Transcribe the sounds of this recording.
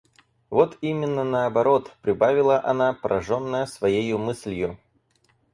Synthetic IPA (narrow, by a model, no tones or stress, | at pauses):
vot̪imʲɪnːənəɐbɐɾo̞t̪pɾʲɪbavʲɪlˠəʔɐnapəɾʔɐ̰ʐonːəjəsvɐjejʊmɨsʲlʲjʊ